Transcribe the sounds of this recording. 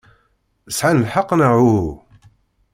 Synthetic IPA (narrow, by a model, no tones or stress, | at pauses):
əsʕanəlħɑqːnəʕu